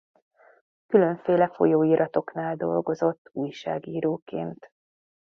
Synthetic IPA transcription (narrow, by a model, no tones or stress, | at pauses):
kyløɱfeːlɛfo̞̰joːiːɾʔɒt̪o̞knaːld̪o̞̰lɡozo̞t̪ːuːjʃa̰ːɡiːɾoːkḛːnt̪